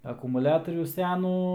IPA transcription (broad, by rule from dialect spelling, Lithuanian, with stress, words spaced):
ɐkʊmʊˈlʲæːtoːrʲuː ˈsʲæːnuː